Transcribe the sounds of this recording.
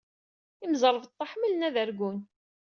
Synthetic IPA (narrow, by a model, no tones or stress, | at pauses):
imzəɾˤəvt̪ˤːɑħməlnæðəɾɡun